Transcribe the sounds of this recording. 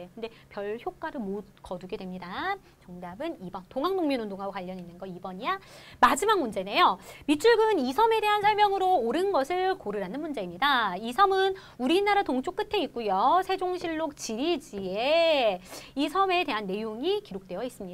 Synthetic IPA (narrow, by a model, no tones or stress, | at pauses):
kkɯnde̞pjʌɭçjok͈aɾɯɭmot̚kʌduɡe̞dwemɲida | t͡ɕʌŋdabɯnibʌntoŋɦaŋdoŋminondoŋɦaɡokwaʎːʌɲinːɯnɡʌibʌɲijamad͡ʑimaŋ̚mund͡ʑe̞ne̞jomit͡ɕʰuɭɡɯnisʰʌme̞de̞ɦansʰʌɭmjʌŋɯɾoːɾɯnɡʌsʰɯɭkoɾɯɾanɯnmund͡ʑe̞imɲidaisʰʌmɯn | uɾinaɾatoŋt͡ɕ͈ʰok͈ɯtʰe̞it̚k͈ujosʰe̞d͡ʑoŋɕʰiɭːok̚t͡ɕiɾid͡ʑie | isʰʌme̞te̞ɦanːe̞joŋikiɾok̚t͈we̞jʌis͈ɯmɲida